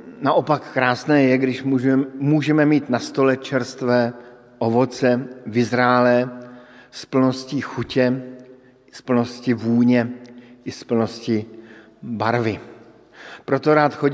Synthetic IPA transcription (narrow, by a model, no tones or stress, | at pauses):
naʔo̞pakːɾaːsnɛːjɛɡdɪʃmumuːʒɛmɛmiːt̪nast̪o̞lɛt͡ʃɛɾst̪vɛː | ʔovot͡sɛvɪzɾaːlɛ | spl̩no̞sciːxucɛ | spl̩noscɪvuːɲɛʔɪspl̩no̞scɪ | baɾvɪ | pɾot̪o̞ɾaːt̪xo